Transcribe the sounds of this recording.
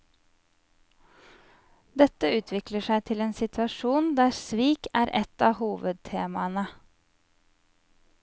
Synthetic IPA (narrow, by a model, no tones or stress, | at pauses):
d̪ɛt̪əʉːt̪ʰʋɪkləʃæɪt̪ʰɪleːnsɪt̪ʰʋɑʃuːnd̪æːsʋiːkæːɾʔɛt̪ɑːhuːʋəd̪̚t̪ʰeːmɑnə